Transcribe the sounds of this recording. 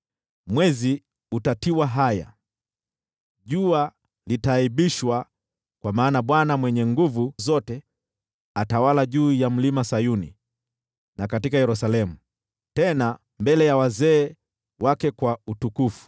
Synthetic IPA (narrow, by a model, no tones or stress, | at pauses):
mwɛzi | utatiwaɦaja̰ | ʄua | litaiɓiʃwa | kwamaːnaɓwanamwɛɲɛŋɡuvuzɔtɛ | atawalaʄuːjam̩limasajunḭ | nakatikajɛɾusalɛmu | tɛna | mbɛlɛjawazɛː | wakɛkwautukufu̥